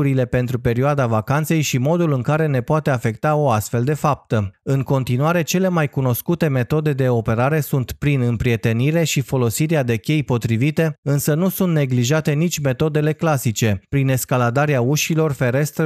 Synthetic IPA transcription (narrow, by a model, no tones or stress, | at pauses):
uɾile̞pe̞nt̪ɾupe̞ɾioad̪avakant̪se̞jʃimo̞d̪ulɨŋkaɾe̞ne̞poat̪e̞afe̞k̚t̪ao̞ast̪fe̞ld̪e̞fap̚t̪əɨŋko̞nt̪inuaɾe̞t͡ʃe̞le̞majkuno̞skut̪e̞me̞t̪o̞d̪e̞d̪e̞o̞pe̞ɾaɾe̞sunt̪pɾinɨmpɾie̞t̪e̞niɾe̞ʃifo̞lo̞siɾead̪e̞kʲe̞jpo̞t̪ɾivit̪e̞ɨnsənusunt̪ne̞ɡliʒat̪e̞nit͡ʃʲme̞t̪o̞d̪e̞le̞klasit͡ʃe̞pɾine̞skalad̪aɾeauʃilo̞rfe̞ɾe̞st̪ɾ